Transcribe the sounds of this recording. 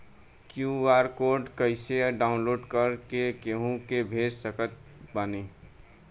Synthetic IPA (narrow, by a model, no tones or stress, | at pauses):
kjuaːɾkoːɾɖkəɪseɖaːʊ̃nloːɖkəɾkekeɦũkebʱeːd͡ʒsəkət̪̚bane